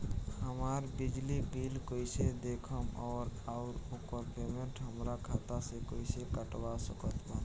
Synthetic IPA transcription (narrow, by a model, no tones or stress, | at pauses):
həmaɾbid͡ʒlibʱilkoised̪ekʰəmɔːɾaʊɾokəɾpemeɳʈɦəmɾakʰat̪asekoisekəʈwasəkət̪ba